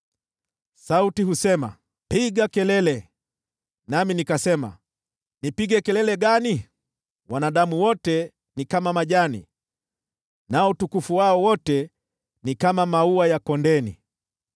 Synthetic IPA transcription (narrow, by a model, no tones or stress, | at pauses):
sautiɦusɛma̰ | piɡakɛlɛlɛ | naminikasɛma̰ | nipiɡɛkɛlɛlɛɡani | wanaɗamuwɔtɛ | nikamamaʄanḭ | naɔutukufuwaɔwɔtɛ | nikamamauwajakɔndɛnḭ